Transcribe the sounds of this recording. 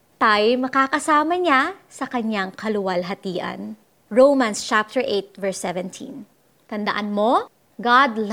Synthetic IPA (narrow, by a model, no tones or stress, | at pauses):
t̪ajmɐkaːkɐsaːmɐɲasɐkɐɲaŋkʰɐlʊwɐlɦɐt̪iːʔɐ̰n | ɹowmanst͡ʃap̚t̪ɛɹʔejt̪̚vɛɹsɛvɛ̃nt̪ʰḭ̃n | t̪ɐnd̪ɐʔanmo̞ | ɡad̪l